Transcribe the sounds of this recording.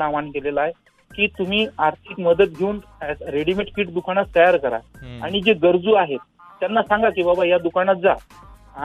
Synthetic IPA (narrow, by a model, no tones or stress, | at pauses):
naʋankelelae | kiːt̪um̤iːaɾt̪ʰikməd̪ət̪̚ɡʱeuːn | ɾeɽimeʈfiːʈ̚d̪ukaɽ̃at͡st̪əjaɾkəɾa̰aɽ̃id͡ʑeɡəɾd͡zuːaɦet̪ː | janːasãŋɡakiːbabajad̪ukañat̪̚d͡za | a